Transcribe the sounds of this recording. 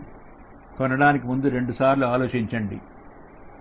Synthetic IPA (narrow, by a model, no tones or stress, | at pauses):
kɔnɐɽaːnikimund̪uɾe̞ɳɖusaːɾluaːloːt͡ʃiɲt͡ʃɐɳɖḭ